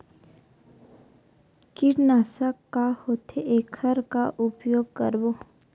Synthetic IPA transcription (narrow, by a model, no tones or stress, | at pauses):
kɪʈnaːsakːahoːt̪ʰeʔeːkʰəɾkaʔʊpjoːɡ̚kə̰ɾboː